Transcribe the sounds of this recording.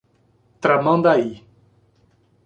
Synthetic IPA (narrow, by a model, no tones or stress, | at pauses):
t̪ɾamãnd̪ai